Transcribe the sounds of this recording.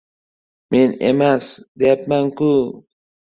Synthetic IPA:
mʔinḛmasd̪eapmaŋku

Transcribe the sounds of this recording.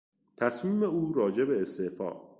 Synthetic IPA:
t̪ʰæsmiːmeuːɾɒːd͡ʒe̞be̞ːst̪efɒ̰ː

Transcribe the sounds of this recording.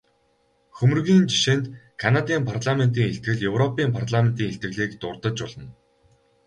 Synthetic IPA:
xɵmɵ̆rɣʲiːnt͡ɕi̥ʃent̪kʰanat̪iːmpʰarɮament̪iːŋeɬt̪̚ɡɘ̆ɮjɵwrɔpiːmpʰart̪ɮament̪iːŋeɬt̪ɡɘ̆ɣɮiːkt̪ʊrt̪ə̆t͡ɕɔɮə̆n

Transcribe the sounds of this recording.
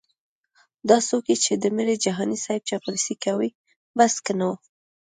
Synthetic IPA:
d̪ɑsokjet͡ʃed̪əmeɾed͡ʒaɦɑnisajb̚t͡ʃɑpalsikawi | baskənawu

